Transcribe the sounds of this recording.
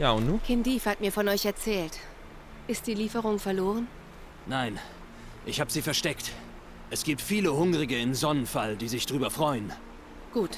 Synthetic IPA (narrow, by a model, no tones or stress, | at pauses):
jaːʊntnuːkʰɪndiːfhatmiːɐfɔnɔʏçɛɐt͡sɛːlt | ʔɪst̚d̥iːliːfəʁ̞ʊŋfɛɐloːʁən | naɪn | ʔɪçhaːbəziːfɛɐʃtɛkt | ʔɛsɡ̥iːp̚tfiːləhʊŋʁɪɡəɪnzɔnənfaldiːzɪçd̥ʁyːbɐfʁ̥ɔʏən | ɡ̥uːt